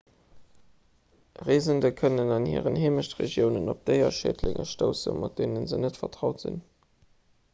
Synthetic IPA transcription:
ʁeːzəndəkʰənənɑnhḭːʁənheːməʃtʁḛʒjəʊnənop̚d̥əɪɐʃḛːdlɪ̰ŋʔə̰ʃtoʊsə̰nmʔɑt̚deːnənzənətfɐtʁɑʊtz̥ḭn

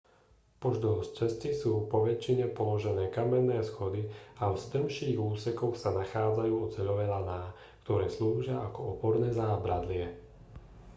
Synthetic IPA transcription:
pɔʒd̪ɔst͡ʃɛscisuːpɔʋɛt͡ʃːiɲɛpɔlɔʒɛnɛːkamɛnːɛːsxɔd̪iawst̪əmʃiːɣuːsɛkɔxsanaxaːd͡zajuːɔt͡sɛʎɔʋɛlanaː | kt̪ɔɾɛːsluːʒɪaʔakɔɔpɔɾnɛːzaːbɾad̪lɪɛ

